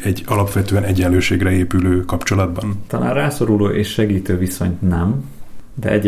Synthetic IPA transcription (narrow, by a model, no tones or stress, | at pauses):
ɛɟːɒlɒpʋɛt̪øːɛnɛɟɛnløːʃeːɡrɛeːpyløːkɒpt͡ʃo̞lɒd̪bɒnt̪ɒla̰ːnrraːso̞ɾuloːʔeːʃʃɛɡiːt̪øːviso̞̰ɲt̪nɛmd̪ɛ̰ʔɛɟ